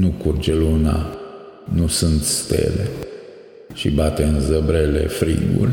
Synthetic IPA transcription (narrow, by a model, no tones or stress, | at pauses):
nukurd͡ʒeluna̰ | nusunt̪st̪ḛle | ʃibat̪eɨnzəbɾelḛfɾḭɡṵlʲ